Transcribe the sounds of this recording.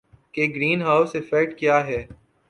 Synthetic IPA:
keɡɾiːnɦaːʊsɪfɛk̚ʈkjaːɦɛː

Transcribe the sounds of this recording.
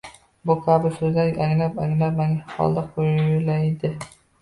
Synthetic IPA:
bʊkʲʰabɪɾsɵzlʲaaŋlapaŋlapmaŋχɒ̰lˠd̪aqʰojlajd̪ɪ

